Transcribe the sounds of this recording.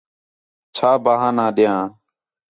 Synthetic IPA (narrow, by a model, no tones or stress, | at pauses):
t͡ʃʰaːbaːɦãːnãːɗɪjãː